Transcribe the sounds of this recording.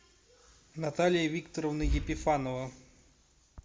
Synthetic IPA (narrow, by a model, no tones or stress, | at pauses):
nat̪alʲɪjɐvʲikt̪ɔɾɔwnɨjʲepʲɪfanɔvɐ